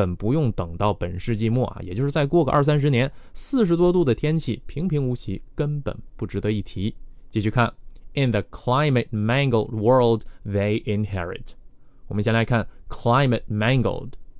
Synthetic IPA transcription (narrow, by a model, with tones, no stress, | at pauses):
ə˨˩npu˧˥jʊ˥˩ŋt̪ɤ˨˩ŋt̪ɑ˥˩ʊpə˨˩nʂɻ̩˥˧t͡ɕi˥˧mu˥˩ɐ̰˨˩jɛ̰˨˩t͡ɕjo˥˧ʂɻ̩˥˩t͡sa˥˧ɪkwɔ˥˩ɡə˩ʔɐ̰˞˥˩sa˥nʂ̬ɻ̩˧njɛ˧˥nsɹ̩˥˩ʂ̬ɻ̩˧˥t̪̬wɔ˥t̪u˥˩d̪ə˩t̪ʰjɛ˥nt͡ɕʰi˥˩pʰi˧˥ŋpʰi˧˥ŋu˧˥t͡ɕʰi˧˥kə˥npə̰˨˩npu˥˩ʈ͡ʂɻ̩˧˥t̪ɤ˧˦i˥˩t̪ʰi˧˥t͡ɕi˥˧˩t͡ɕy˥˧kʰa˥˩nɪ˧nðə˨˩kʰla˥ɪmə˨t̚mæ˥˧ŋɡl̩ˠdwɜ˞˥˧lˠdðe˧ɪʔɪ˧nhɛ˥ɹɪ̰˨˩t | wɔ˨˩mə˦nɕjɛ˥˩la˧ɪkʰa˥˩nkʰla˥ɪmə˨t̚mæ˥ŋɡə̰˨l̩ˠd